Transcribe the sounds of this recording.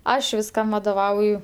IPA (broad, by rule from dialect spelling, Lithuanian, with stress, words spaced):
ˈɐʃ ʋʲɪsˈkɐm ʋɐdoːˈʋɐʊjʊ